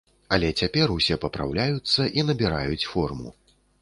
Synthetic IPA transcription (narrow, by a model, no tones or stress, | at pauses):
ɐlʲɛt͡sʲapʲɛrusʲɛpɐpɾa̰wlʲajut̪sːɐʔinɐbʲiɾajut͡sʲfɔrmṵ